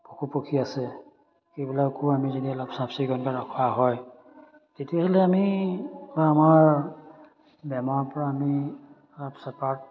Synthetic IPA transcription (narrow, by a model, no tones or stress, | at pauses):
pokupokʰiasɛ | kebilakuamizediɔlɔpsapsiɡɔnkaɹakʰwaɦɔj | tetiahɛlɛamibaamaɹ | bɛmaɹpɔɹaːmi | lɔpsɛpat̚